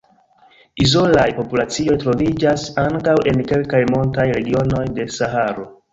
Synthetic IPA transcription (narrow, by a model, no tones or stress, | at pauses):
izo̞lajpo̞pulat͡sio̞jtɾo̞vid͡ʒasaŋkawʔe̞nke̞lkajmo̞ntajɾe̞ɡio̞no̞jde̞saɦaɾo̞